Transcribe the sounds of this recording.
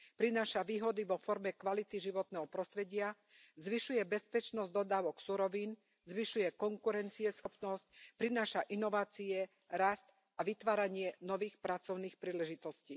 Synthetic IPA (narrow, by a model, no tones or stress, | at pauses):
pɾinaːʃaʋiːɦɔd̪iʋɔfɔɾmɛkʋalit̪iʒiʋɔt̪nɛɦɔpɾɔst̪ɾɛɟɪa | zʋiʃujɛbɛspɛt͡ʃnɔzd̪ɔd̪aːʋɔksuɾɔʋiːn | zʋiʃujɛkɔŋkuɾɛnt͡siɛsxɔpnɔsc̚pɾinaːʃaʔinɔʋaːt͡siɛ | ɾast̪ | aʋit̪ʋaːɾaɲɪɛnɔʋiːxpɾat͡sɔʊniːxpɾiːlɛʒit̪ɔsciː